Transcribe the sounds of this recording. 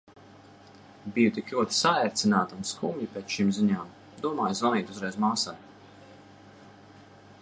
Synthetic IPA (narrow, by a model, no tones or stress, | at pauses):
bijut̪ikluɔt̪i̥saɛɾt̪sinaːt̪unskumʲlipeːt̪ʃimziɲaːm | d̪uɔmaːjzvaniːt̪uzɾɛjzmaːsaj